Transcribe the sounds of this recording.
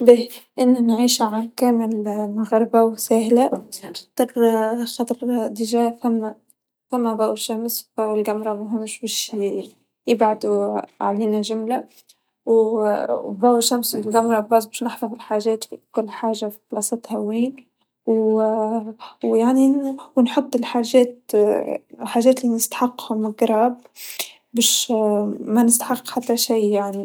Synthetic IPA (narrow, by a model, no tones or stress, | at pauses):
bɪʔɪnːanʕiːʃʕankæːmɪlmʊɣɑɾˤbawsæːhlat̪ˤɑɾˤxɑt̪ˤɑɾˤd̪ɪʒaːfæmːa | famːæbaːwʃːamsb̥æwɪlɡamɾˤɑmʊɦʊmʃbɛːʃ | jɪbʕad̪uʕa̰liːnaʒʊmla | w | bawʃːamswɪlɡamɾˤɑbɑzˤbeːʃnɪħfɑvɪlħaːʒɛːt̪fikʊlːħaːʒafi̥qlɑsˤɑt̪ˤhawːiːn | w | wjaʕniwnħʊt̪ˤːɪlħaːʒɛːt̪̚ | ħaːʒːɛːt̪linɪst̪ḁħɑqːhʊmɡɾˤɑːb | beːʃ | manɪst̪ḁħɑqːħat̪ːaʃiːjaʕni